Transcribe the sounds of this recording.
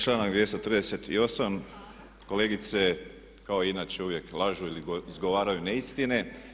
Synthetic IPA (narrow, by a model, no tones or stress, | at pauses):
t͡ʃlˠaːnaɡd̪ʋje̞st̪ot̪rd̪ese̞t̪ḭo̞sam | ko̞le̞ːɡit̪se̞ | kao̞inaːt͡ʃeuʋje̞klˠaʒuilizɡo̞ʋaːɾajuneist̪ine